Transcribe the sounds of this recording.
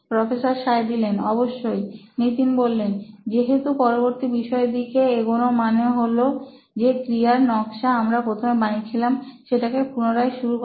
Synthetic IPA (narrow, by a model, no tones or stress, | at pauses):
pɾɔfesaɾʃaed̪ilenɔboʃːojnit̪inbolːend͡ʑeɦet̪upɔɾoboɾt̪ibiʃɔed̪ikeeɡonomaneoɦolo | d͡ʑekɾiaɾnɔkʃaamɾapɾot̪ʰomebanit͡ɕʰilamʃeʈakepunoɾaeʃuɾuk